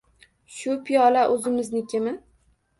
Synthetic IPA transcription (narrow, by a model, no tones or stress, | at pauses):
ʃʊpʰijɒlaʔɵzɪmɪznɪkʲʰɪmɪ